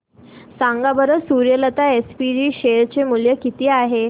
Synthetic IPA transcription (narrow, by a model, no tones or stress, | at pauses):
saŋɡabəɾəsuɾjələt̪aespiɖiːɕeɾt͡ɕemuljəkit̪iːaɦe